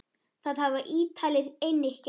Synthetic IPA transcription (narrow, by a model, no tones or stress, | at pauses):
θaðhavaʔiːt̪ʰaːlɪɾejnehc